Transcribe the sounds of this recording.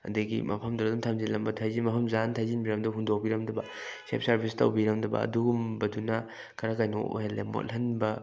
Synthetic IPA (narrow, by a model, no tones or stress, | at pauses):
ɐ̰dɐɡḭmɐ̰pʰɐmduɾɐdumtʰamzilɐmbɐtʰajzimɐpʰɐmzantʰajzinbiɾɐmdɐɦundok̚biɾɐmdɐbɐ̰ | sḛp̚sɐɾbʱistɐ̰wbiɾɐmdɐbɐ̰ɐ̰duɡumbɐdunɐ | kʰɐɾakajno̰o̰helːḛmo̰tlhɐnbɐ